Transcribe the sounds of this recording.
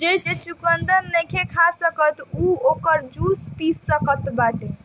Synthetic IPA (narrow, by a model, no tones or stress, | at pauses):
d͡ʒed͡ʒet͡ʃukənd̪əɾːɛkʰekʰasəkət̪uokəɾd͡ʒuspissəkət̪baʈe